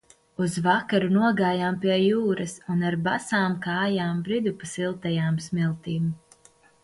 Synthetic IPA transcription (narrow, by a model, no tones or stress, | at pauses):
uzvakaɾunuɔɡaːjaːmpʲiɛjuːɾɐsunaɾbasaːmkaːjaːmbɾid̪upasilˠt̪ɛjaːmsmilˠt̪iːm